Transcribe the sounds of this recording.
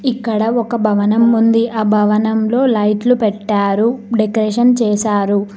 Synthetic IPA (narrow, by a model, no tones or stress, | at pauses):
ikːɐɽɐɔkɐbʱɐʋɐnɐmːund̪iʔɐbʱɐʋɐnɐmlo̞ːlɐjʈlupɛʈːaːɾuɖekɾeːʃɐnt͡ʃɛːsaːɾu